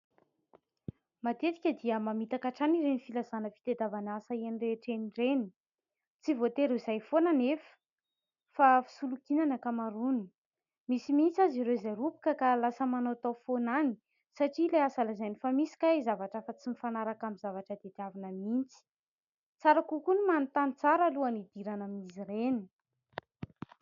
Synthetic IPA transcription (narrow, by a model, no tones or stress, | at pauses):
mat̪et̪i̥kʲəd̪iəmamit̪akaʈ͡ʂaniɾenifilazanəfi̥t̪ed̪avanasaianireʈ͡ʂeniɖ͡ʐeni̥ | t͡sivot̪eɾeizajfonanefə̥ | fafi̥sulukinanəkamaɾuni̥ | misimint͡saziɾewizajɾupi̥kəkalasəmanawat̪awfonani̥ | saʈ͡ʂileasalazajnifamisi̥kʲaizavaʈ͡ʂəfat͡simifanaɾakamizavaʈ͡ʂəd̪et̪iavinəmint͡si̥ | t͡saɾakukunimanit̪anit͡saɾaluanid̪iɾanamizireni̥